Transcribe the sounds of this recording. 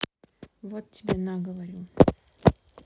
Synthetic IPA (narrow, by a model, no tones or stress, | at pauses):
vot̪̚tʲɪbʲenaɡəvɐɾʲi